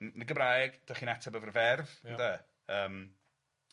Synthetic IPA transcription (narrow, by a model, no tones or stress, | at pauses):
nnəɡəbrajɡ̥d̥aχiːnɛtʰabəvərvɛrvnda | əːm